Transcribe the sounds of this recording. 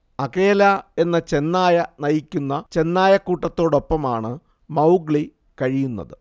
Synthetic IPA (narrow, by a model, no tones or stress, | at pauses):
ɐke̞ːlɐe̞nːɐt͡ɕe̞nːaːjɐnɐjikʲːunːɐt͡ɕe̞nːaːjɐkːuːʈːɐt̪ːo̞ːɽo̞pːɐmaːɳɨ | mɐwɡɭi | kɐɻijunːɐ̰ðɨ